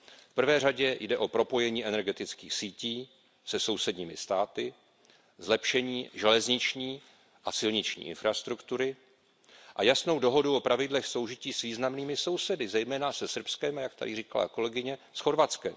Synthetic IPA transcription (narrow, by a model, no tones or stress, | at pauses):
fpr̩vɛːr̝aɟɛjdɛʔo̞pɾo̞po̞jɛɲiːʔɛnɛɾɡɛt̪ɪt͡skiːxsiːciː | sɛso̞wsɛdɲiːmɪst̪aːt̪ɪ | zlɛpʃɛɲiːʒɛlɛzɲɪt͡ʃɲiː | ʔasɪlɲɪt͡ʃɲḭːʔɪ̰nfɾast̪ɾukt̪uɾɪ | ʔajasno̞wdo̞ɦo̞duʔo̞pɾavɪdlɛxso̞wʒɪciːsviːznamniːmɪso̞wsɛdɪzɛjmɛːnasɛsr̩pskɛmajakt̪a̰dɪriːkala̰ko̞lɛɡɪɲɛsxo̞ɾvat͡skɛm